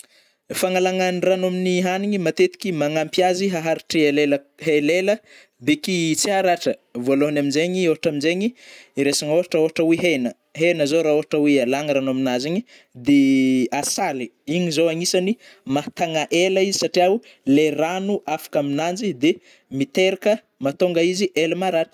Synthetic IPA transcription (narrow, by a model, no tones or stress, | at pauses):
faŋalaŋanranoaminiɦaniɲimat̪et̪i̥kʲimaŋampjaziɦaɦaɾiʈ͡ʂielelə | ɦelelə | b̪ekit͡siaɾaʈ͡ʂəvualoɦanaminzeɲioɦaʈ͡ʂaminzeɲiɾesaŋoɦaʈ͡ʂaoɦaʈ͡ʂəweɦenə | ɦenəzoɾaoɦaʈ͡ʂəwealaŋaɾanoaminaziɲi | d̪easaliiɲizowaŋisanimat̪aŋaʔeləizisaʈ͡ʂiau | leranuʔafḁkaminand͡ʒid̪e | mit̪eɾakə | mat̪oŋɡəiziʔelmaɾaʈ͡ʂə̥